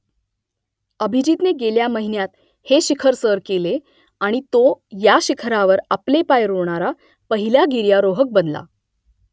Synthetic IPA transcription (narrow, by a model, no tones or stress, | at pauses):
əbʱid͡ʑit̪neɡeljaməɦinjat̪ | heɕikʰəɾsəɾkele | aɽ̃it̪ojaɕikʰɾaʋəɾaplepajɾoɳ̃aɾa | pəɦiljaɡiɾjaɾoɦək̚bənla̰